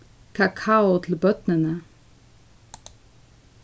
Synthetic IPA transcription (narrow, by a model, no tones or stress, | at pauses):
kʰɑkʰɑʊt̪ʰl̩bœt̪nənə